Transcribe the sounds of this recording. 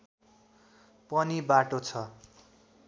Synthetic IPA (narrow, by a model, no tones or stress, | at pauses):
pʌnibaʈot͡sʰʌ